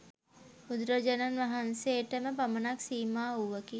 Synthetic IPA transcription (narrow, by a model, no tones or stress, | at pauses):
ud̪ɾəd͡ʒɐnɐnʋɐɦɐnseːʈəmepɐmɐnaksiːmaːɦuʋəki